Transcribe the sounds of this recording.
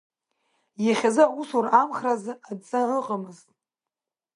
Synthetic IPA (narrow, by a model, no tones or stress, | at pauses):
jaχʲazɨusuramχrazɨadt͡sʼaəqʼamɨztʼ